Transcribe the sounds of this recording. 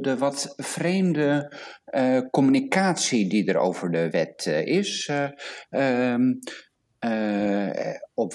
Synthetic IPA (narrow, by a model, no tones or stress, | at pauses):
dəʋɔtfrejmdə | kɔmynikaːtsididəɹo̰wvəɹdəʋɛtɪs | ɔ